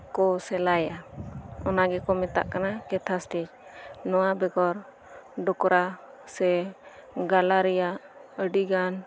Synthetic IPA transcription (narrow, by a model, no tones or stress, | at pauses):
kɔsɛlajaɔnaɡɛkɔmɛt̪a̰ʔkanakɛt̪ʰasʈid͡ʒnɔwabɛɡɔɾ | ɖɔkɾa | sɛ | ɡalaɾɛjaəɖiɡan